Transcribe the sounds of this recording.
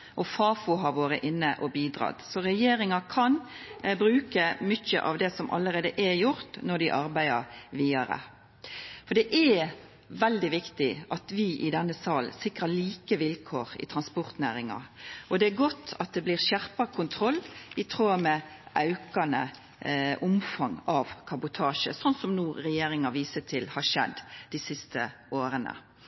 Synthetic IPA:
ʔɔfɑːfuɦɑɾʋoːɾəʔɪnːəʔɔbiːd̪ɾɑ̰ːd̪sɔɾɛjeːɾɪŋɑkʰɑn | bɾʉːkəmʏçə̰ʔɑ̰ʋd̪ɛsɔmʔɑ̰ləɾeːd̪əʔæjʊɾt̪nɔɖ̪ɪʔɑɾbæɪd̪əɾʋiːɑɾə̰ | fɔɖ̪ɛʔæ | ʋɛld̪ɪʋɪkt̪ɪʔɑt̪ʋɪʔɪd̪ɛnːəsɑːlsɪkɾɑliːkəʋɪlkʰoːɾɪ̰t̪ʰɾɑnspɔɾt̪næːɾɪŋɑ̰ʔɔd̪ɛæɾɡɔt̪ʰːɑt̪̚d̪ɛbliːʁɕæʁpɑkʰʊnt̪ʰɾɔlːɪt̪ʰɾuːɑmɛʔɑʉkɑnə̰ | ʔʊmfɑŋɑʋkʰɑbʊt̪ʰɑːʃə̰sɔnsɔmnuːɾɛjeːɾɪŋɑʋiːsət̪ʰɪlhɑʃɛ̰d̪ːd̪̥ɪsɪst̪ə | oːɾənə̰

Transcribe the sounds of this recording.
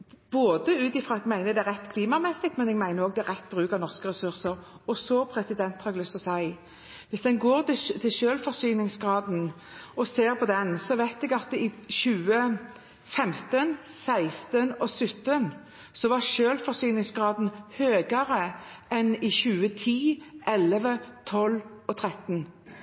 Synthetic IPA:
b̥oːd̪əʉːt̪ɪfɾɑɛɡmæɪnəd̪ɛæɾɛt̪ːkʰliːmɑmɛsɪk̚t̪mɛnɛɡmæɪnəɾoːɡd̪ɛæʁɛt̪ːbɾʉːkəɾnɔʁskəʁɛsʉʁsəɾ | ɔsɔpʰɾɛsɪd̪ɛnt̪hɑɾɛɡlʏst̪ɔsæɪ | ʋɪsd̪ɛnɡoːɾt̪t̪ʰɪlʃøːlfɔsyːnɪŋsɡɾɑːd̪n̩ | ɔseːɾpʰɔd̪ɛnsɔʋæɪt̪ɛɡɑt̪ɪɕʉːə | fɛmt̪ənsæɪst̪ənɔsʏt̪ːən | sɔʋɑʁʃøːlfɔɾsyːnɪŋsɡʁɑːd̪n̩høːɡəɾəʔɛnɪçʉːət̪ʰiːʔɛləʋət̪ʰɔlɔt̪ʰɾɛt̪n

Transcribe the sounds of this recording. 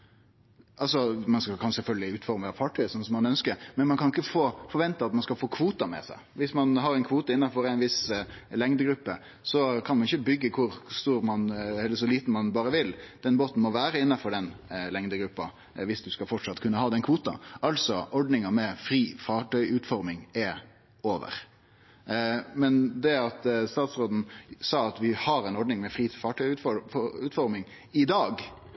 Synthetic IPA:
ʔɑlsɔmɑnskɑkʰɑnsɛlfœlɡəlɪʉːt̪fɔɾməpʰɑʈʰœʏəsɔnəsɔmɑnœnskəɾmɛnmɑnkʰɑnɪkːəfoːfɔɾʋɛnt̪əɑt̪mɑnskɑfoːkʰʋuːt̪ɑmɛ̰sæ̰ɪʋɪsmɑnɦɑɾæɪnkʰʋuːt̪əɪnːɑfɔɾæɪnʋɪslɛŋd̪əɡɾʉpːə | sɔkʰɑnmɑnɪçəbʏɡːəkʰʊɾst̪uːɾmɑnɛlːəsɔliːt̪n̩mɑnbɑːɾəʋɪld̪̥ɛnboːt̪n̩mɔʋæːɾəɪnːɑfɔɖɛnlɛŋd̪əɡɾʉpːɑ | ʋɪsd̪ʉskɑfɔʈʂɑt̪ːkʰʉnːəhɑːd̪ɛnkʰʋuːt̪ɑ̰ɑlsɔʔɔɖnɪŋɑmɛfɾiːfɑːʈʰœʏʔʉːt̪fɔɾmɪŋɛ | oːʋə̰ɾ | mɛnd̪ɛæɾɑt̪st̪ɑːt̪sɾoːd̪n̩sɑːɑt̪ʋɪhɑɾɛɪnɔɖnɪŋmɛfɾiːfɑːʈʰœʏʉt̪fɔʉːt̪fɔɾmɪŋ | ɪd̪ɑːɡ

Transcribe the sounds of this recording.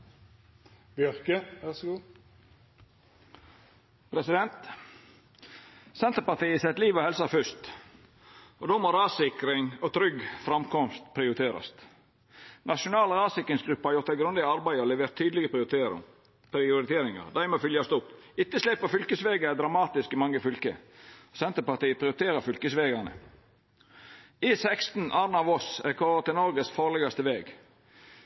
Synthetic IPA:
bjœɾkəʋæsɡː | pʰɾɛsɪd̪ɛnt̪ | sɛnt̪əɾpɑt̪iːəsɛt̪liːʋohɛlsɑfʏst̪ | ʔod̪oːmoːɾɑːsɪkɾɪŋot̪ʰɾʏɡfɾɑmkɔmst̪pʰɾɪʊɾɪt̪ʰeːɾɑ̰st̪ | nʔɑʃʊnɑːləɾɑːsɪkɾɪŋsɡɾʉpːəhɑɾjʊɾt̪ːæɪɡɾʉnd̪əɪɡɑɾbæɪɔlɛʋeːɾt̪ʰːyːd̪lɪɡə | pɾɪʊɾɪt̪ʰeːɾɪŋɑ̰ɾd̪æɪmɛoːfʏljɑst̪ʊpːɪt̪ːəslɛpːəfʏlkəsʋeːɡəɛd̪ɾɑmɑːt̪ɪskɪmɑŋːəfʏlkə̰sɛnt̪əɾpɑʁt̪iːəpʰɾɪʊɾɪt̪ʰeːɾəfʏlkəsʋeːɡɑnə̰ | ɪsɛkst̪n̩ʔɑːɾnɑːʋɔsɾɛkʰɔʋət̪ɪlnɔɾɡəsfɑːlɛɡɑst̪əʋeːɡ

